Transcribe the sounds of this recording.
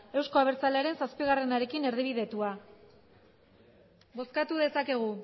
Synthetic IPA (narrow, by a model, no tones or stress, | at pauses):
e̞wsko̞aβ̞e̞ɾt͡saleaɾe̞nsaspiɣare̞naɾe̞kine̞ɾðiβ̞iðe̞t̪ua | bo̞skat̪uð̞e̞sake̞ɣ̞u